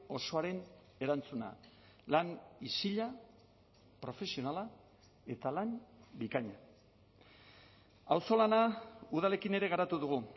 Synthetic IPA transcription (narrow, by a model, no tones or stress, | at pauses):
o̞so̞aɾe̞n | e̞ɾant͡suna̰ | lanisiʎa | pɾo̞fe̞sio̞nala | e̞t̪alambikaɲa | awso̞lanauðale̞kine̞ɾe̞ɣaɾat̪uðuɣ̞u